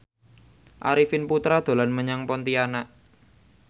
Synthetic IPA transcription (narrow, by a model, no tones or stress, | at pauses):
ʔa̰ɾifɪnput̪ɾad̪̥o̤lanməɲaŋpɔnt̪ianaʔ